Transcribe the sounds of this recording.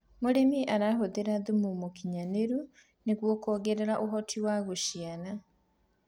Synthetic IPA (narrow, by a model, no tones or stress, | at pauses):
moɾemiʔaɾaɦoðeɾaðumomokiɲaneɾu | neɣwɔkɔːɣeɾeɾaʔoɦɔtʰiwaɣoʃiana